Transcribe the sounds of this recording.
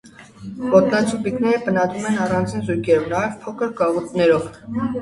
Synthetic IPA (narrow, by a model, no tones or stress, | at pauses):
pɔt̪nɑt͡sʰupiknɛɾəpənɑd̪ɾumɛnɑrɑnd͡zinzujkʰɛɾɔvnɑjɛvpʰɔkʰəɾkɑʁut̪nɛɾɔv